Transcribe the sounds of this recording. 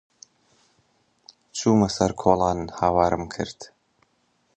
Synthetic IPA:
t͡ʃʰuːmɐsɐɾkʰoːlˠɑːnhaːwaːɾɨmkʰɨ̰ɾd̪̥

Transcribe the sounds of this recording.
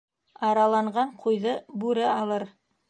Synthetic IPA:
ɑɾɑlˠɑɴʁɑɴqʰujðɤbʉɾɘɑlˠɤɾ

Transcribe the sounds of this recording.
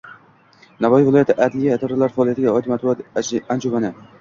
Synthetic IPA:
navɒjivɪlˠɒjat̪ʰɪʔad̪lijat̪ʰaɾalaɾfaɒːlˠijat̪ʰɪɡʲaɒjt̪ʰɪmat̪̚bat̪and͡ʒomanɪ

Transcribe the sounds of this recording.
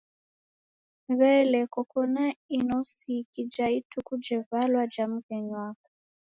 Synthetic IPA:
βɛlɛkɔkɔnainosikid͡ʒaitʰukud͡ʒɛvalwad͡ʒamukeɲwaːkḁ

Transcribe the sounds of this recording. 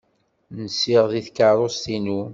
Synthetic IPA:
nsiʁðiθkɑɾˤost̪inu

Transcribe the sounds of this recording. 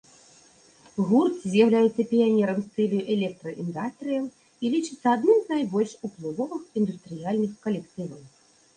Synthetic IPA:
ɣurt̪ʲzʲjawlʲajɛt̪sːɐpʲijanʲɛɾɐmst̪ɛlʲiuʔɛlʲɛk̚t̪ɾɐʔind̪ast̪ɾɨjɐw | ilʲit͡ʂɨt̪sːɐad̪nɨmznajbɔlʲʂuplˠɨvɔvɨxind̪ust̪ɾɨjalʲnɨxkɐlʲɛkt̪ɨvɐw

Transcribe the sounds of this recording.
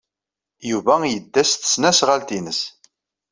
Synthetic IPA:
juvæjəd̪ːæst̪ə̥snæsʁalt̪inəs

